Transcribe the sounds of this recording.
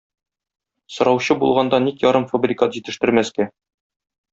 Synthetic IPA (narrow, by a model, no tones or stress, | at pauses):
sŏɾɑwɕɤbulˠʁɑnd̪ɑnikjɒɾɤmfɐbrʲɪkat̪ʑit̪ɘ̆ʃt̪ɘ̆ɾmæskæ